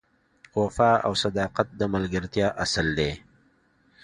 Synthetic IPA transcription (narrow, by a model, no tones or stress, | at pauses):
wafɑa̰wsad̪ɑːqat̪̚d̪əmalɡəɾt̪jɑːʔasəld̪e